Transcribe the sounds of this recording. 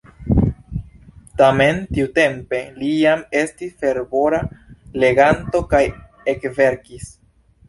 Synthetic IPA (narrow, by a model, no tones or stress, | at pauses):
tame̞ntiute̞mpe̞lijame̞stisfe̞ɾbo̞ɾale̞ɡanto̞kaj | ekve̞ɾkis